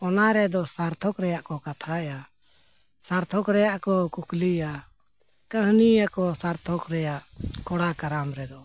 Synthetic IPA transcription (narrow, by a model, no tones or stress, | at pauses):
ɔnaɾɛd̪ɔsaɾt̪ʰɔkɾɛjaʔkɔkat̪ʰaɛja | saɾt̪ʰɔkɾɛjaʔkɔkuklija | kəɦnijakɔsaɾt̪ʰɔkɾɛjaʔkɔɽakaɾamɾɛd̪ɔ